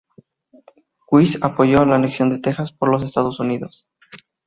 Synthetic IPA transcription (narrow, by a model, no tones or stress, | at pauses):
kwisapo̞ʝo̞alaːneksjo̞nd̪e̞t̪e̞xaspo̞ɾlo̞s̬e̞st̪aðo̞suniðo̞s